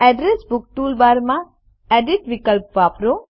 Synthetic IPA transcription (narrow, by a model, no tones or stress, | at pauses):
ɛɖɾesbʊkʈuːlʋaːɾmã | ɛɖiʈʋikəlp̚ʋaːpɾo